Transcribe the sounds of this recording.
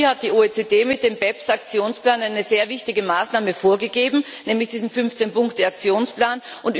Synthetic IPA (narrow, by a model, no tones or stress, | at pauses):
hat̚d̥iːoːet͡seːdeːmɪt̚d̥eːmbɛpsakt͡sjoːnsplaːnaɪnəzeːɐvɪçtɪɡəmaːsnaːməfoːɐɡəɡeːbm̩ | nɛːmlɪçd̥iːzn̩fʏnft͡senpʊŋktəak̚t͡sjoːnsplaːnʔʊnt